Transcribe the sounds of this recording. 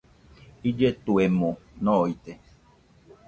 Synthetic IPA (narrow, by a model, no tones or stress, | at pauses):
id͡ʒet̪uemõnɔ̃it̪e